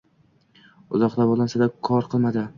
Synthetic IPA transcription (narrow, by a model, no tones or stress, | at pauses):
ʊzɒqd̪abɒlˠansad̪akʰɒɾqʰɨlˠmad̪ɪ